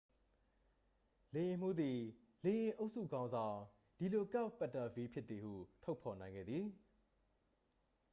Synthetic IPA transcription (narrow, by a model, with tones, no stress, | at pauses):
le˨jɪ̃˨m̥u˦d̪i˨ | le˨jɪ̃˨ʔo˦ʊʔsṵ˦˨ɡã˦ʊ̃nzã˨ʊ̃ | d̥i˨lo˨ka˦˨pːɛ˦˨tə˨fi˦pʰjɪ˦t̪t̪θi˨hṵ˦˨tʰo˦ʊpʰɔ˨nã˨ɪ̃ŋɡɛ̰˦˨d̪ði˨